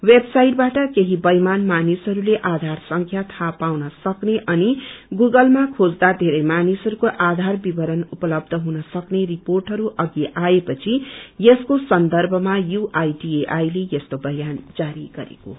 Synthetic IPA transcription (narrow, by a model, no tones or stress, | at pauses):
websajʈ̚baʈʌkeɦibʌjmanmanisɦʌɾuleʔad̪ʱarsʌŋkʰjat̪ʰapawnʌsʌkneʔʌniɡuɡʌlmakʰod͡zd̪ad̪ʱeɾʌjmanisʌɾukoʔad̪ʱarbibʌɾʌnupʌlʌb̚d̪ʱʌɦunʌsʌkneriporʈɦʌɾuʔʌɡiʔaepʌt͡sʰijeskosʌnd̪ʌrbʱʌmajuʔajʈieʔajlejʌst̪obʌjand͡zaɾiɡʌ̰ɾḛko̰